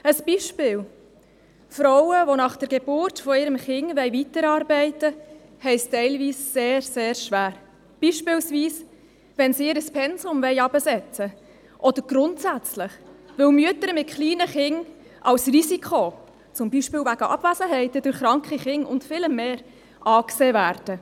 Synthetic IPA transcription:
əsb̥iʃpɪːl | fɾɔwəʋonɑχd̥əɾɡeb̥ʊrtfɔɪɾəmχɪŋvɛɪvitəɾɑːɾbɛɪtə | hɛɪstɛɪlviːsːeːɾseːɾʃʋæːɾ | b̥iːʃpɪlsviːs | ʋɛnsiɪɾəspʰɛnzʊmvɛɪɑbəsɛt͡sə | ʔɔd̥̪əɾɡ̥ɾʊntsæt͡slɪχʋɪwmyətəɾmɪt̚kχliːnəχɪŋ | ʔɑwsrisikʰχo | t͡sʊmbiʃpɪːlwvæɡ̥əʔɑ̰b̥væzəɦɛɪtədʊɾχɾɑŋkχiχɪŋʊ̰ntfɪləmmːeːɾ | ʔɑːkseːvæːɾd̥ə

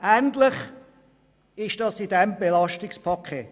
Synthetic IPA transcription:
æntlɪχ | ɪʃd̥ɑsidɛmbelɑʃtɪkspʰɑkʰːḛːt

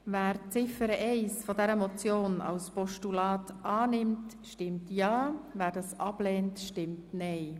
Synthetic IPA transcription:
væːɾt͡sɪfəɾəʔɛɪsfɔdɛɾəmɔt͡sjoːnɑ̰wspɔʃtulɑːtʰʔɑːnɪmt | ʃtɪmtjɑːvæːɾdɑːsʔɑb̥lɛːntʃtɪmtnɛɪ

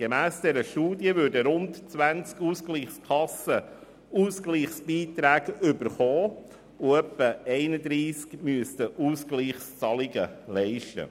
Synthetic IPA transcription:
ɡ̥emæːsd̥̪ɛɾəʃtuːdjəvʉːɾdəɾʊntt͡sʋænt͡skuskliːχskʰɑsə | uːskliːχsb̥iːt̪ɾæːɡʏbəɾχɔː | uœpːəɛɪnəd̪ɾiːskmyəst̪əʔuːskliːχst͡sɑliɡəlɛɪʃtə̰

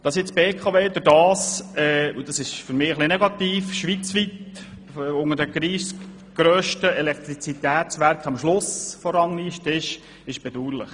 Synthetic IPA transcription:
d̥ɑsjɪt͡sb̥eːkʰɑveːd̪ʊɾd̥ɑːsɛːud̥ɑsɪʃfʏɾmɪːəχlinɛɡɑt̪iːfʃʋit͡sʋit̪ː | ʊŋədəɡ̥ɾiːs | ɡ̥ɾøːʃtəɛlɛkt̪ɾit͡sit̪æːt͡sʋæɾkχɑmʃlʊsfɔɾɑŋniʃtɪʃ | ɪʃb̥ɛd̥̪uːɾlɪ̰χ

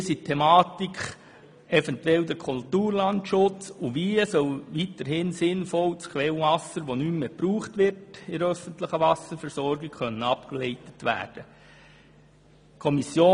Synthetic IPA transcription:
sitʰːɛmɑːtikχ | ɛfɛntwɛld̪əɾkʰultuːɾlɑntʃʊt͡suʋiːəsœlʋitəɾɦɪnsɪnfɔlt͡skʰʋɛlʋɑsəɾʋonymmeːpɾuːχtʋɪrtɪɾœfəntləχəʋɑsəɾfɛɾsɔɾɡɪkχœnːənɑpkəleɪtətʋæ̰ːd̥ə | kʰɔmisjoː

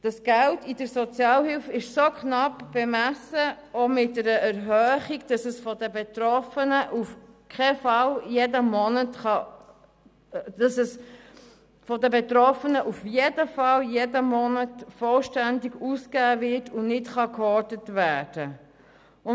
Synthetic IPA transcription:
d̥ɑsɡ̥æltidəɾsɔt͡sjɑːlhɪlfɪʃsokχnɑpb̥emæsə | omɪt̚dɛɾəɛɾɦœːχiɡd̥ɑsəsfɔdəbetɾɔfənəʔufkʰχɛfɑljedəmɔnətχɑ | d̥ɑsɛs | fɔdəbetɾɔfənəʔufjedəfɑljedəmɔnətfɔlʃtændiɡuːskæːvɪtʰʊnnɪtχɑkɔɾdətvæːd̥ə | ʊ

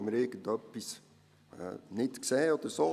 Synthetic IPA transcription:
mɾeːkəd̪ɔpːis | nitɪ̥ksɛːɔt̪əsɔ

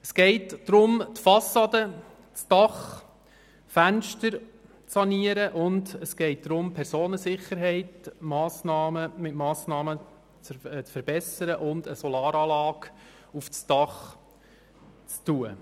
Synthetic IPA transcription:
əsɡ̥ɛɪtd̥ɾʊmtfɑsːɑd̪ə | t͡sd̥ɑχ | fænʃtəɾ | t͡sɑniəɾəʔʊndəsɡ̥ɛɪt̚d̥̪ɾʊmpʰɛɾsoːnəsɪχəɾɦɛɪtmɑːsnɑːməmɪtmɑːsnɑːmə | t͡st͡sfəɾb̥ɛsəɾəʔʊndəsɔlɑːɾɑːlɑːk | uft͡sd̥ɑχ | t͡stuə

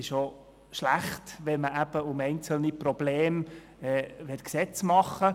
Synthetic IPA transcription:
ɪʃo | ʃlæχtʋɛnməʔæb̥əʊmɛɪnt͡səl̩niprɔbleːm | ɛːvɛtksɛt͡smɑχə

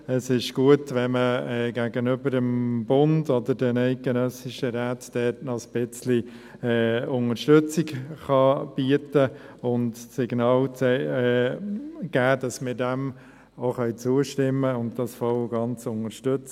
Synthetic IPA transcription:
əsɪʃɡ̥uətʋɛnməɛːɡæːɡənʏbəɾdəmb̥ʊndodəɾdɛnɛɪt̚ɡ̥ɛnœsɪʃəɾæːtd̥ɛtnɔsb̥ɪt͡sli | ɛːʊŋəɾʃtʏt͡sɪɡχɑb̥iətəʊntsɪɡ̥nɑːlt͡sɛɛ | ɡ̥æːd̥ɑsmɪɾdɛm | oχœʏt͡suːəʃtɪmːəʊnt̚d̥ɑsfɔlɡɑnt͡sʊŋəɾʃtʏt͡s

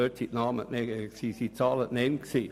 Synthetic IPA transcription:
øːtsitnɑːmə̰nɛksisit͡sɑːlətnɛnksiː

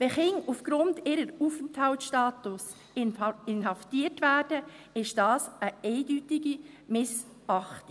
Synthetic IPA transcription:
vɛχɪŋufɡ̥ɾʊndɪɾəɾuːfəntʰhaltʃtɑːtus | ɪnɦɑftiːtvæːrd̥ə | ɪʃd̥ɑːsəɛɪdytɪɡi | mɪs | ɑχtɪ̥

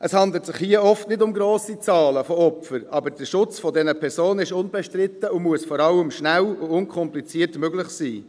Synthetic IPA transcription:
ʔəshɑnd̪l̩ətsɪχhiəɔftnɪdʊmɡɾoːsit͡sɑːləfɔɔpfəɾɑbəɾd̥əʃʊt͡sfɔdɛnəpʰɛɾzoːnəɪʃʊnbɛʃtɾɪt̪ːəʊmuəsfɔɾɑləmʃnælʊʊnkʰɔmplit͡siːətmøɡlɪχsiː

